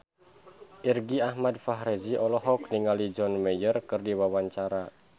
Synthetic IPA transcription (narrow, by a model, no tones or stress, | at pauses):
ʔirɡiahmadfaɦɾeziʔɔlɔɦɔkniŋalid͡ʒɔnmejərkɨrdiwawaɲt͡ʃaɾa